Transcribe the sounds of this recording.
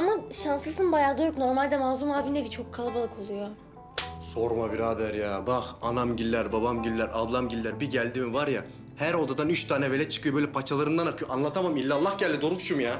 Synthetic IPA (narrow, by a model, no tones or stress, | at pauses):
amaʃanslˠɯsɯnbajaːd̪øɾukno̞ɾmalʲd̪ɛmaːzumaːbind̪ɛbit͡ʃʰo̞kʰːalˠɯbalˠɯkʰo̞lˠujo | so̞ɾmabiɾaːd̪æɾjaːbaxanamɟilʲːæɾbabamɟilːʲæɾablˠamɟilʲːæɾbiɟælʲd̪imivaɾja | hæɾo̞d̪ad̪anyt͡ʃt̪ʰaːnɛvelʲɛt͡ʃʰɯ̥kʰɯjobøjlʲɛpʰat͡ʃʰalˠaɾɯnd̪anakʰɯjoʔanlˠat̪ʰamamilʲːalˠːahɟælʲd̪id̪o̞ɾukʃumjaː